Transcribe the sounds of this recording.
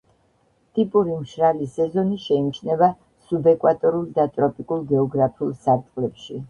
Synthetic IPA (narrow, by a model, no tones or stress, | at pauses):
t̪ʼipʼuɾimʃɾalisɛzɔniʃɛimt͡ʃʰnɛva | subɛkʼwat̪ʼɔɾulˠd̪at̪ʼɾɔpʼikʼulˠɡɛɔɡɾapʰiulˠsaɾt̪ʼqʼlɛpʃi